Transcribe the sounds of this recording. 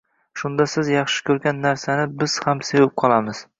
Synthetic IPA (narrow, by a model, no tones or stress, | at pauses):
ʃʊnd̪asɪzjɑχʃɪ̥kʲʰɵɾɡʲanːaɾsanɪbɪz̥hamsewɪp̚qʰɒlˠamɪz̥